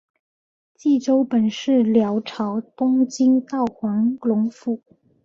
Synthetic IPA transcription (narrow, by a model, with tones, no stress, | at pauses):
t͡ɕi˥˩ʈ͡ʂo˥ʊpə˨˩nʂɻ̩˥˩ljɑ˧˥ʊʈ͡ʂʰɑ˧˥ʊt̪ʊ˥ŋt͡ɕi˥ŋt̪ɑ˥˩ʊxwɑ˧˥ŋlʊ˧˥ŋfu˨˩˦